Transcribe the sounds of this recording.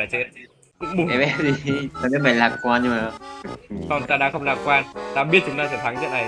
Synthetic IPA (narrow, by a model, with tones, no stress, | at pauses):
aː˧˩t͡ɕe˦˥t̚ | kʊ̰˧˥ŋ͡mɓɛ˨˧˩ɛ˦˥p̚zi˨˩t̪aː˧i˦˥ma˨˧˩laː˧˩p̚kwaː˧nɲɨ˧maː˨˩ | sɔ˧˩t̪aː˧ɗa̰ː˧˥xə˧wŋ͡mlaː˧˩p̚kwaː˧nt̪aː˧ɓi˦˥ət̚t͡ɕʊ˨˦ŋ͡mt̪aː˧sɛ˧˩t̪ʰa˨˦ŋt͡ɕə̰˦˧˥na˨˩